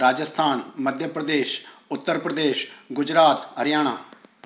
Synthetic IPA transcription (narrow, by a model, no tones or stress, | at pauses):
ɾaːd͡ʒəst̪ʰaːnməd̪ʱjəpɾəd̪eːʃʊt̪ːəɾpɾəd̪eːʃɡʊd͡ʒɾaːt̪əɾjaːɽ̃aː